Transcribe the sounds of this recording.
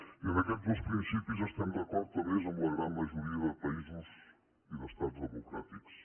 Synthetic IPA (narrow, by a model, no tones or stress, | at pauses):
iðɐkɛt̪uzuʃpɾĩsipjuzʒaʃt̪ɐmzɐkɔ̃nt̪ɐmeʒmumɐɣɾɐ̃nd̪mɐʒuɾiɐðpɐizɨʃ | iðɐʃt̪aðuzðɨmukɾa̰t̪iku̥ʃ